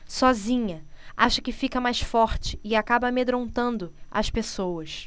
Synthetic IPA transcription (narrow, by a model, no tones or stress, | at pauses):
sɔzĩɲɐaʃɐkɪfikɐmajʃfɔɾt͡ʃɪ̥ɪakabɐmed̪ɾõnt̪ɐ̃nd̪ʊɐʃpesowɐs